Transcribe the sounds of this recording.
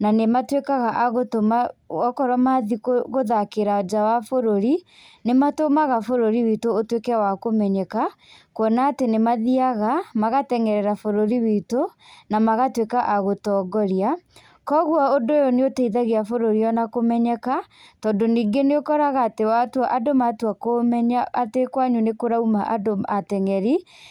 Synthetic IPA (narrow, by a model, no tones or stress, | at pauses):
nanematwekaɣaʔaɣotomaɔkɔɾɔmaðikoɣoðakeɾaod͡ʒawafoɾoɾi | nematomaɣafoɾoɾiwitoːtwekɛwakomɛɲɛka | kwɔnaːtenemaðiaɣamaɣatɛŋɛɾɛɾafoɾoɾiwitonamaɣatwekaʔaɣotɔːɡɔɾia | kɔɣwaodojɔneotaiðaɣeafoɾoɾiɔnakomɛɲɛka | tɔːndoniːɡeneokɔɾaɣaːtewatwaʔadomatwakomɛɲaːtekwaɲunekoɾaumaʔadoatɛŋɛɾi